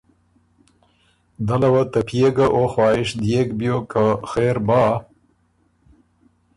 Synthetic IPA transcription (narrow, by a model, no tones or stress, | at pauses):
d̪ɐlɐwɐt̪ɐpʰjeɡaʔoxwɑːɪʃd̪jekbijokaxeːɾbɑː